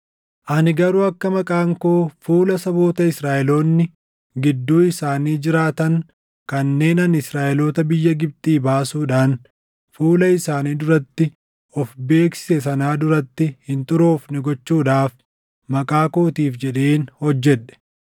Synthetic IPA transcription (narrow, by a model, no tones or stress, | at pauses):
ʔɐnɪɡɐɾuːɐkːɐmɐkʼaːŋkoːfuːlɐsɐbo̞ːt̪ɐɪsɾaːʔɛloːnːɪ | ɡɪd̪ːuːɪsaːniːd͡ʒɪɾaːt̪ɐŋ | kɐnːe̞ːnɐnɪsɾaːʔɛlo̞ːt̪ɐbɪjːɐɡɪb̚t̪ʼiːbaːsuːᶑaːn | fuːlɐɪsaːniːd̪ʊɾɐt̪ːɪ | ɔfbe̞ːksɪ̥sɛsɐnaːd̪ʊɾɐt̪ːɪhɪnt̪ʼʊɾoːfnɪɡɔt͡ʃːuːᶑaːf | mɐkʼaːkoːt̪iːfd͡ʒɛᶑe̞ːnhɔd͡ʒːɛᶑɛ̥